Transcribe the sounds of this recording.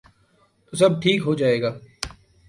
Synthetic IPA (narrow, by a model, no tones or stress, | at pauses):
t̪osɐb̚ʈʰiːkɦoːd͡ʒaːeːɡaː